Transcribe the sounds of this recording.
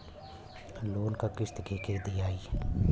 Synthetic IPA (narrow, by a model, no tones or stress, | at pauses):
loːnkakɪst̪keːkeɾd̪ijaːi